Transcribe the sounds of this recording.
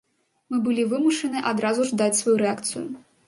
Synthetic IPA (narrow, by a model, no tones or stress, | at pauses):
mɨbɨlʲivɨmuʂɐnɨʔad̪ɾazuʐd̪at͡sʲsvajuɾɛakt̪sɨ̰jṵ